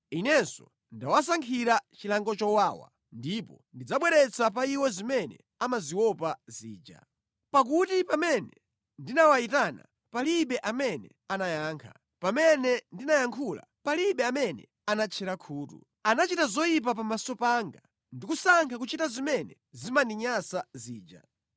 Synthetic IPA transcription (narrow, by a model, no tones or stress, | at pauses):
inɛnsɔ̰ | ndawas̬aŋkʰiɾat͡ʃilaŋɡɔt͡ʃɔwaːwa̰ | ndipɔ | ndid͡zaɓwɛɾɛt͡sʰap̬aiwɛzimɛnɛ̰ | amaziwɔpaziːd͡ʒa̰ | pak̬utipamɛnɛ | ndinawaitana̰ | paliɓɛʔamɛnɛ̰ | anajaːŋkʰa | pamɛnɛndinajaŋkʰula̰paliɓɛamɛnɛ̰ | anat͡ʃʰɛɾakʰuːtṵ | anat͡ʃitazɔjip̬apamasɔpaːŋɡa | ndikusaŋkʰak̬ut͡ʃitazimɛnɛ̰ | zimandiɲasaziːd͡ʒa̰